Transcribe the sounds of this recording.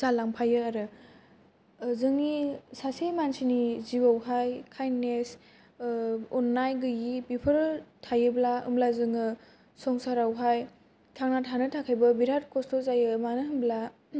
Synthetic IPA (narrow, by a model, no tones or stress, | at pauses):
zalaŋpʰajɯaɾɯ | zɯŋisasemansiniziwawɦajkʰajnes | ɔnːajɡɯjibipʰɯɾtʰajɯblaɯ̰mblazɯŋɯ | sɔŋsaɾawɦaj | tʰaŋnatʰanɯtʰakʰajbɯbiɾat̚kʰɔstɔzajɯmanɯɦɯnbla